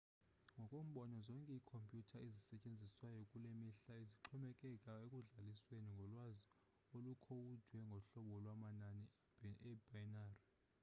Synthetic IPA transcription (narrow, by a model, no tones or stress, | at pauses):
ŋɡʱɔkʼom̩ɓɔnɔzɔŋkʼɛikʰompʼjutʰaʔizisɛcʼend͡zʱiswajɔkʼulemiɬaeziǁʰɔmɛkʼɛkʼaekʼuɮalisweniŋɡʱɔlwazi | olukʰowud̥ʱwɛŋɡʱɔɬɔɓɔlwamanani | ɛbʱajnaːri